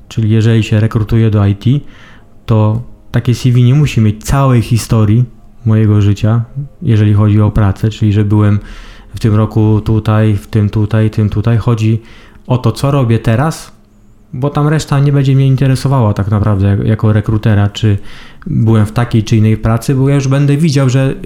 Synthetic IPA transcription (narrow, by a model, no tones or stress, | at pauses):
t͡ʂɘlʲijɛʐɛlʲiɕɛɾɛkɾut̪ujɛd̪ɔajt̪ʲi | t̪ɔt̪akʲɛsʲivʲiɲɛmuɕimʲjet͡ɕt̪sawɛjxʲist̪ɔɾʲji | mɔjɛɡɔʐɘt͡ɕajɛʐɛlʲixɔd͡ʑiɔpɾat̪sɛt͡ʂɘlʲiʐɛbɘwɛm | ft̪ɘmɾɔkut̪ut̪ajft̪ɘmt̪ut̪ajt̪ɘmt̪ut̪ajxɔd͡ʑi | ɔt̪ɔt̪sɔɾɔbʲjɛt̪ɛɾas | bɔt̪amɾɛʂt̪aɲɛbɛɲd͡ʑɛmɲɛint̪ɛɾɛsɔvawat̪aknapɾavd̪ɛajakɔɾɛkɾut̪ɛɾat͡ʂɘbɘwɛmft̪akʲejt͡ʂɘinːɛjpɾat̪sɘbɔjajuʐbɛnd̪ɛvʲid͡ʑawʐɛ